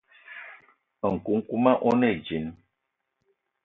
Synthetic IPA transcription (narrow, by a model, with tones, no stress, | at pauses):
ŋ̩˨ku˨˦ŋ̩˦ku˦ma˦ʔɔ˦nɛ˦˨d͡ʒi˨˦n